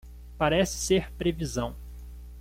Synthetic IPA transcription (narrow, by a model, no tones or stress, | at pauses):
paɾɛsɪ̥seɾpɾevizɐ̃w̃